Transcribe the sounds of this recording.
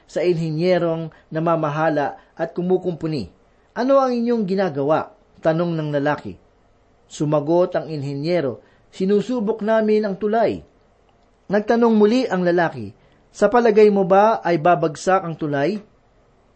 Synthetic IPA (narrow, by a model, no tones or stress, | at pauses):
sɐʔɪnɦɛnjɛɾo̞ŋ | nɐmaːmɐɦaːlɐʔʔɐt̪̚kʊmuːkʊmpʊnḭ | ʔɐno̞ɐŋɪɲjo̞ŋɡɪnaːɡɐwaʔ | t̪ɐno̞ŋnɐŋlɐlaːkɪ̰ | sʊmɐɡo̞t̪ɐŋɪnɦɛnjɛɾo̞ | sɪnuːsuːboknaːmɪnɐŋt̪ʊlaj | nɐɡ̚t̪ɐno̞ŋmʊliʔɐŋlɐlaːkɪ̰ | sɐpɐlɐɡajmobaʔɐjbaːbɐɡsakɐŋt̪ʊlaj